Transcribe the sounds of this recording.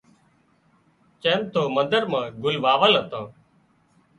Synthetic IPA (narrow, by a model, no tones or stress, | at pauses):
t͡ʃẽːmt̪ʰoːmənd̪əɾmãːɡʊlʋaːʋəlɦət̪ãː